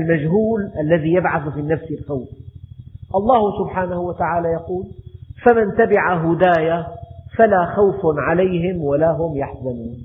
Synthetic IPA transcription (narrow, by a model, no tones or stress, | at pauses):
lmad͡ʒɦuːlʔalːaðijabʕaθfinːafsɪlxawf | ʔɑlˤːɑːhsʊbħaːnahuwat̪aʕaːlajɑquːlfamant̪abɪʕaɦʊd̪aːjafalaxawfʕalajɦɪmwalaɦʊmjaħzanuːn